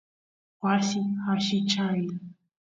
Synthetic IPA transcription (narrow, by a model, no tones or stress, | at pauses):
wasihaʃɪt͡ʃaj